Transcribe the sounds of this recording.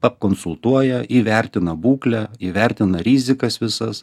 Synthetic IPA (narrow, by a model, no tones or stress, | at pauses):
pɐpkonsʊlˠt̪uɔjɛʔiʋʲɛɾʲt̪ʲɪnɐbuːklʲɛiːʋʲɛɾʲt̪ʲɪnɐɾʲiːzʲɪkɐsʋʲɪsɐs